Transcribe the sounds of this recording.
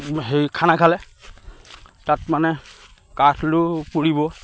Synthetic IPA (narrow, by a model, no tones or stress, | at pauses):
ɦejkʰanakʰalɛ | tatmanɛ | katʰlʊpuɹibɔ